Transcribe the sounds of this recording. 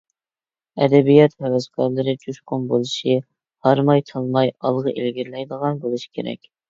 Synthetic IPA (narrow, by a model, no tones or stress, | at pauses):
ɛ̰d̪ɛbijɑt̪hɛwɛzkʰɑɾlˠɨɾɨd͡ʒʰuʃqʊmbolˠɨʃi | hɑɾmɑjt̪ʰɑlˠmɑjɑlˠʁəʔelɡʲiɾlɛjd̪əʁɑnbolˠɨʃi̥kʲʰeɾɛ̰kʲ